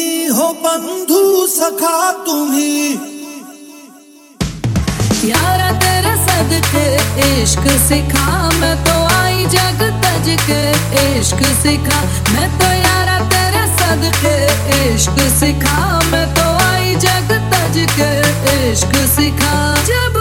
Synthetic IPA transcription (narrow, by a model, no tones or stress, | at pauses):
iɦobɐnd̪ʱusɐkʰaːt̪uɦĩː | jaːɾad̪eːɾasɐd̪keːʃksɪkʰaːmɛ̃t̪oaːid͡ʒɐɡət̪ɐd͡ʒke | eːʃksɪkʰaː | mɛ̃t̪ojaːɾad̪eːɾasɐd̪ke | eːʃksɪkʰa | mɛ̃t̪oaːid͡ʒɐɡət̪ɐd͡ʒke | eːʃksɪkʰaːd͡ʒɐb